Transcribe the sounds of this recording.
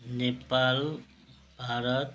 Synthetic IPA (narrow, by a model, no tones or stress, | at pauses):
nepal | bʱaɾət̪